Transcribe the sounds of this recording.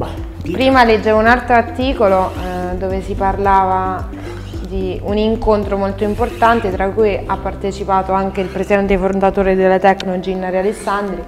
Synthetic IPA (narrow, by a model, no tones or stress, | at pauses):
pɾiːmaled͡ʒːevounalt̪ɾoart̪iːkolod̪oːvesiparlaːva | d̪iuniŋkont̪ɾomolt̪oimport̪ant̪et̪ɾakːujʔapːart̪et͡ʃipaːt̪oaŋk̟eilpɾesid̪ɛnt̪efoɾond̪at̪oːɾed̪elːat̪ɛkːnolod͡ʒinːaɾealesːand̪ɾi